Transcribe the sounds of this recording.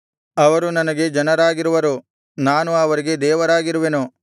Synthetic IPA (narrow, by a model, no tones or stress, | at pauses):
ɐʋɐɾunɐnɐɡe̞d͡ʒɐnɐɾaːɡiɾuʋɐɾu | naːnuɐʋɐɾiɡe̞d̪ɛːʋɐɾaːɡiɾuʋenu